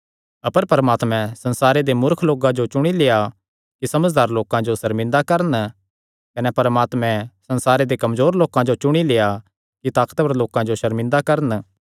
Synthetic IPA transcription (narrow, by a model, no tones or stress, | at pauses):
ɐpəɾpɐɾəmaːt̪mɛ̃sɐ̃nsaːɾed̪emʊɾkʰloːkãd͡ʒot͡ʃʊɽ̃ileja | kisɐməd͡ʒd̪aːɾloːkãd͡ʒosɐɾmɪ̃nd̪akɐɾən | kɐnɛpɐɾəmaːt̪mɛ̃sɐ̃nsaːɾed̪ekɐmzoːɾloːkãd͡ʒot͡ʃʊɽ̃ileːja | kit̪aːkə̥t̪pɐɾloːkãd͡ʒoʃɐɾmɪ̃nd̪akɐɾən